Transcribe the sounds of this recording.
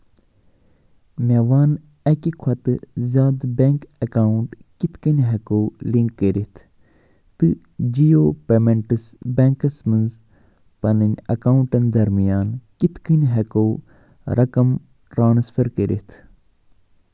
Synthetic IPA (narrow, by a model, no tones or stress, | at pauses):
meʋaːn | ɐkikʰwɐt̪ɨzʲaːd̪beŋkɐkaːuɳʈkit̪kinɦɐkoliŋkːəɾit̪ʰ | t̪ɨ | d͡ʒijoːpemeɳʈsbeŋkɐsmɨnz | pɐnɨnʲɐ̰kaːuɳʈɐnd̪ɐɾmijaːnkit̪kɨnɦɐkoː | ɾɐkɐm | ʈɾaːnsfʰɐɾkeɾʔḭt̪ʰ